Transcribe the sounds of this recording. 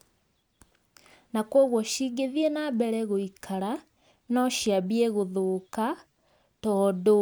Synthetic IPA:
nakwɔɣwɔʃiːɡeðienabɛɾɛɣoikʰaɾa | nɔʃiabieɣoðoka | tɔːdo

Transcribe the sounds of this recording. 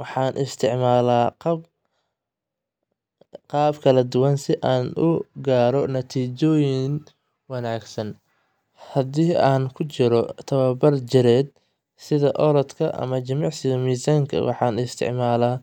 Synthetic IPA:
wɑħɑːnʔɪst̪ʰɪʕmaːlaːqɑb | qɑːbkʰɐlɐd̪ʊwɐnsɪʔaːnʊɡaːɾɔnɐt̪ʰiːt͡ʃɔːjɪn | wɐnaːɡsɐn | hɐd̪iːaːnkʰʊt͡ʃɪɾɔt̪ʰɐwɐbɐrt͡ʃɪɾɛːd̪̚ | sɪðɐʔɔɾɔd̪kʰɐʔɐ̰mɐt͡ʃɐmɑʕsɪɣɐmiːsaːŋkʰɐ̰wɑ̰ħɑːnɪst̪ʰɪ̰ʕmaːlaː

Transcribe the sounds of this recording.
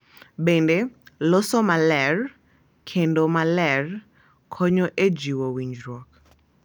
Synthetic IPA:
bendelɔsɔmalɛr | kʰendomalɛr | kʰɔɲoʔed͡ʒiwowiɲd͡ʒɾɔk

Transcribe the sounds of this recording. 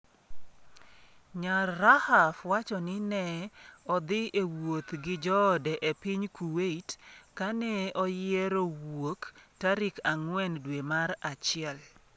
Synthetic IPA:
ɲarːahafwat͡ʃɔnɪnɛɔd̪ɪewot̪ɡɪd͡ʒɔdɛʔepiɲkuweitkanɛɔjɪɛɾowoktaɾɪkaŋwɛndwemaɾat͡ʃɪɛl

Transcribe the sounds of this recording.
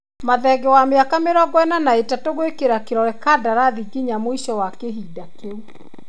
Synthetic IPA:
maðɛɡɛwameakameɾɔɡwɛnanaetatoɣoekeɾakeɾɔɾɛkaːdaɾaðiɡiɲamoiʃɔwakeɦidakeu

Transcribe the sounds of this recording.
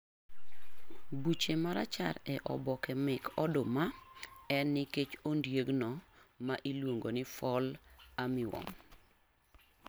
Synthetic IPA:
but͡ʃemaɾa̰t͡ʃaɾɛʔɔ̰bɔkɛmɪkʰɔdʊmaɛnːiket͡ʃondjeɡnɔmaʔilwoŋɡonɪfɔlamɪwɔ̰m

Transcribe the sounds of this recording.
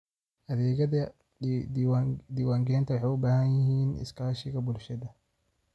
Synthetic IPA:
ʔɐðɛːɣɐɐ | d̪iːwaːŋɡɛːnt̪ʰɐwɑħɑjʊbaːhɐnjɪhiːnɪ̰skʰaːʃɪɣɐbʊlʃɐðɐ

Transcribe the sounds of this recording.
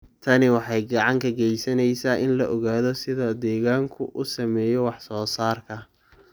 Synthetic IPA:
t̪ʰɐnɪwɑħɑjɡɑʕɑŋkʰɐɡɛjsɐnɛjsaːʔɪnlɐʔɔɣaːðɔsɪðɐd̪ɛːɣaːŋkʰʊʔʊsɐmɛːjɔwɑħsɔːsaːrkʰɐ

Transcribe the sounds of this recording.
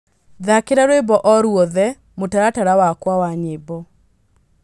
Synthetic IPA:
ðakeɾaɾwebɔʔɔɾwɔðɛ | motaɾataɾawakwawaɲebɔ

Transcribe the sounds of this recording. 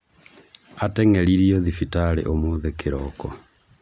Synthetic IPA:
atɛŋɛɾiɾiɔðifitaɾḛʔomoðekeɾɔkɔ

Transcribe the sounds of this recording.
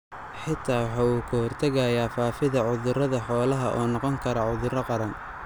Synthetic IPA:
ħɪt̪ʰaːwɑħɑːuːkʰɐhɔrt̪ʰɐɣɐjaːfaːfɪðɐʕʊðʊɾɐðɐħɔːlɐɦɐʔɔːnɔqɔŋkʰɐɾɐʕʊðʊɾɐqɑɾɐn

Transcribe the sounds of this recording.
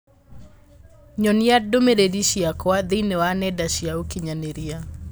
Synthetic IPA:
ɲɔniadomedediʃiakwaðinewanɛdaʃiaokiɲaneɾia

